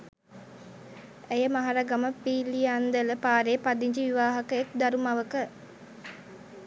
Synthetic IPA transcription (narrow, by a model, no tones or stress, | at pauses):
ejəmaɦaɾaɡaməpiːlijand̪ələpaːɾepad̪iɲd͡ʒiʋiʋaːɦɐkəek̚d̪aɾumaʋəkə